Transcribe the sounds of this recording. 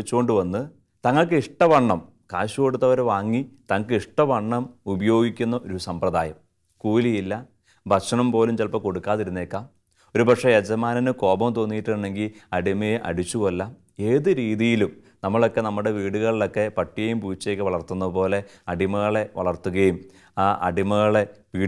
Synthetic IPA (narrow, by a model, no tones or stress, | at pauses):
it͡ɕːuko̞ɳɖɨʋɐnːɨ | t̪ɐŋːɐɭk̬ɨiʂʈɐʋɐɳːɐm | kaːɕuko̞ɽut̪ːɐʋɐɾeʋaːŋːit̪ɐŋkɨiʂʈɐʋɐɳːɐmubɐjo̞ːɡikʲːunːɐʔo̞ɾusɐmprɐðaːjɐm | kuːlijilːɐ | bʱɐkʂɐɳɐmpo̞ːlumt͡ɕelpɐko̞ɽukːaːðiɾunːeːkːaːm | o̞ɾubɐkʂejɐd͡ʑɐmaːnɐnɨko̞ːbɐmt̪o̞ːnːijiʈːuuɳɖe̞ŋɡilɐɽimɐjeʔɐ̰ɽit͡ɕːuɣɐlːɐ | e̞ːðɨɾiːðijilum | nɐmːɐɭo̞kːe̞nɐmːuɽe̞ʋiːɽuɣɐɭilo̞kːe̞pɐʈːiɣɐjumpuːt͡ɕːiekːɨʋɐɭɐrt̪ːunːɐðɨpo̞ːle̞ɐɽimɐɣɐɭe̞ʋɐ̰ɭɐrt̪ːuɣɐjum | aːʔɐ̰ɽimɐɣɐɭe̞ʋiː